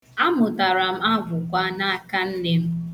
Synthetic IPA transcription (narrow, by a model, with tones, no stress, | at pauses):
a˦mʊ˨ta˨ɾa˨m̩˦a˦vʊ˨kʷa˦na˦a˦ka˦n̩˦ne˦m̩˦